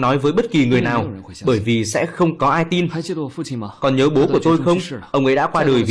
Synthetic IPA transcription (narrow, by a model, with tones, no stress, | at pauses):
nɔ˨˦jvəː˨˦jɓə˦˥t̚ki˨˩ŋɨ˨˩əjnaː˨˩wɓəː˧˩jvi˨˩sɛ̰˧˥xə˧wŋ͡mkɔ˨˦ʔaː˧jt̪i˧n˧ | kɔ˨˩nɲəː˨˦ɓo˨˦ku˧˩ət̪o˧jxə˧wŋ͡mʔə˧wŋ͡mʔə̰˧˥ɗa̰˧˥kwaː˧ɗəː˨˩jv